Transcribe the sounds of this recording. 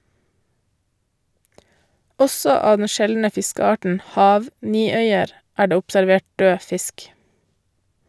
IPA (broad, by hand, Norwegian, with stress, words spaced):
ˈɔsɔ ˈɑː ˈdɛn ˈʃɛlnə ˈfɪskəˌɑːʈn̩ ˈhɑːʋ ˈniːˌœʏəɾ ˈæː ˈɖeː ʊpsæɾˈʋeːʈ ˈdøː ˈfɪsk